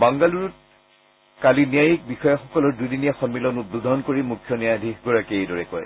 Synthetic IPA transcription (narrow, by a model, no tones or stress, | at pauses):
baŋɡaluɹut | kalinijajik̚bixɔjɔxɔkɔlɔɹdujdinijɛxɔnmilɔnudud̪ʱɔɔnkoɹimukʰːjɔnijadʱiɡɔɹakeejdɔɹɛkɔj